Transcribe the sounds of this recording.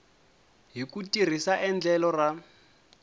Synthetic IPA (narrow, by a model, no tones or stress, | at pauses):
ɦikutir̤isaʔɛnd͡ɮɛlɔra